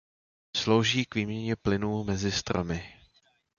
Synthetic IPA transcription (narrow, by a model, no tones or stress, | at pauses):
slo̞wʒiːkviːmɲɛɲɛplɪnuːmɛzɪst̪ɾa̰mɪ